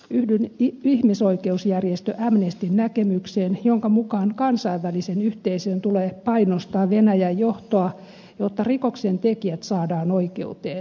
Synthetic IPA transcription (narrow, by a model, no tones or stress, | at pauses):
yhdenihmisoikeusjærjest̪øʔæmnest̪innækemykseːnjoŋkɑmukɑːnkɑnsɑiʋʋælisenyht̪eisøːnt̪uleːpɑinost̪ɑːʋenæjæjjoht̪oɑ | jot̪ːɑrikoksent̪ekiæt̪sɑːdɑːnoikeut̪eːn